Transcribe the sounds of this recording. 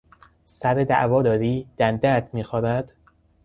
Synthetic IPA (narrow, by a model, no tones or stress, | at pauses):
sæɾed̪æ̰ʔvɒːd̪ɒːɾiːd̪̥ænd̪æɾt̪miːxɒːbæd̪̥